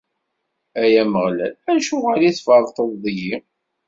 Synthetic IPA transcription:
æjæməʁlæ̰læʃuʁæliθfɑɾˤt̪ˤəðˤðˤəʝi

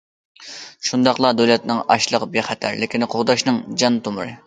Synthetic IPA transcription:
ʃund̪ɑχlˠɑd̪ølɛt̪nɨŋɑ̰ʃlˠəqbeχɛt̪ʰæ̰ɾlɪkʲʰinqʰoʁd̪ɑʃnɨŋd͡ʒɑnt̪ʰomʊɾɨ̰

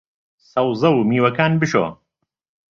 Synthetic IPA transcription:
sɐwzɐwmiːwɐkaːnbɨʃo̰ː

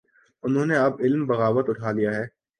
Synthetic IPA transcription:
ʊnɦõːneɐbɪlmbɐɣaːʋət̪ʊʈʰaːlijaɦɛː

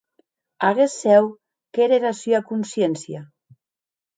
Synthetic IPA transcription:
aɣesɛw | keɾeɾasyakunsjensja

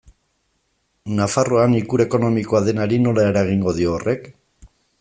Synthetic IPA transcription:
nafaroanikuɾe̞ko̞no̞mikoaðe̞naɾino̞lae̞ɾaɣ̞iŋɡo̞ðio̞ːrʔe̞k

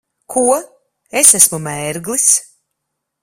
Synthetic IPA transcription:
kʰuɔ | esæsmumɛːɾɡlis

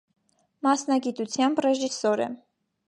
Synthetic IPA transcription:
mɑsnɑɡit̪ut͡sʰjɑmbrɛʒisɔɾɛ̰

